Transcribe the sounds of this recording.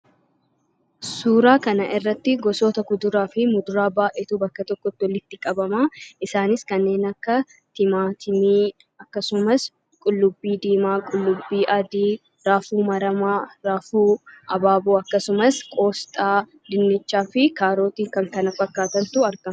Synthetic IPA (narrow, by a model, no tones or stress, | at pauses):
suːɾaːkɐnɐʔɪrːɐt̪ːɪɡɔsoːt̪ɐkʊd̪ʊɾaːfɪmʊd̪ʊɾaːbaːʔeːt̪uːbɐkːɐt̪ɔkːɔt̪ːɪwɔlɪt̪ːɪkʼɐbɐmaːʔɪsaːnɪskɐnːe̞ːnɐkːɐ | t̪ɪmaːt̪ʰɪmiː | ɐkːɐsʊmɐs | kʼʊlːʊbːiːd̪iːmaːkʼʊlːʊbːiːʔɐd̪iː | ɾaːfuːmɐɾɐmaːɾaːfuːʔɐbaːbuːɐkːɐsʊmɐskʼo̞ːst̪ʼaː | d̪ɪnːɛt͡ʃːaːfɪkaːɾo̞ːt̪iːkɐŋkɐnɐfɐkːaːt̪ɐnt̪ʊɐɾɡɐm